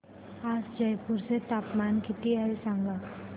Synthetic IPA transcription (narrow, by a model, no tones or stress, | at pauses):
aːsd͡ʒɐjpʊɾset̪aːpmaːnkɪt̪iaesãŋɡa